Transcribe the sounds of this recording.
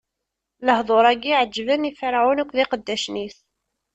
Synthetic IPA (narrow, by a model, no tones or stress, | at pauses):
ləhðˤoɾˤæɡiʕəd͡ʒːvənifəɾʕunəkʷːðiqəd̪ːæʃniθ